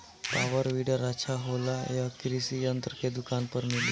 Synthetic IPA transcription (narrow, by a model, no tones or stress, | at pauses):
paʋəɾʋiɽəɾat͡ɕʰaɦolajakɾisijənt̪ɾəked̪ukanpəɾmili